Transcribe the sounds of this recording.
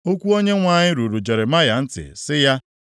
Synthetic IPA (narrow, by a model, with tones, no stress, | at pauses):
o˦kʷu˦o˦ɲe˦ŋʷa˦˨ɲɪ˦ɾu˨ɾu˨d͡ʒe˨ɾe˨ma˦ja˨n̩˦tɪ̰˨sɪ˦ja˦